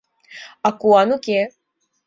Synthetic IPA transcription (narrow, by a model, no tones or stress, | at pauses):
akuanuke